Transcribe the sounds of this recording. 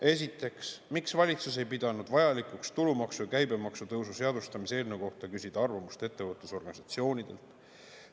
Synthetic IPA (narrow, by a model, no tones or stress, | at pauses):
e̞s̬ʲit̪ːˑe̞ksmiksvɑlʲit̪sus̬e̞jpid̪̥ɑnud̪vɑjɑlikukst̪ulumɑksujkæjbe̞mɑksut̪ɤwsuse̞ɑd̪ust̪ɑmise̞ːlneko̞ht̪ɑkysʲid̪̥ɑɑrvɑmust̪e̞t̪ːevɤt̪ːˑuso̞rɡ̥ɑnʲisɑt̪sio̞ːnʲid̪̥e̞̰lt̪ˑ